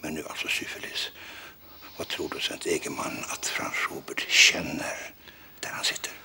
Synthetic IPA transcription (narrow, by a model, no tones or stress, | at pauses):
mɛnd̪ʉːa̰lsɔsʏfɛliːs | vɑt̪ʰɾuːɖʉsɛnt̪ʰeːɡəmanːat̪fɾa̰nsuːbəʈɕɛnːəɾ | d̪̥æɾhansɪt̪ʰːəɾ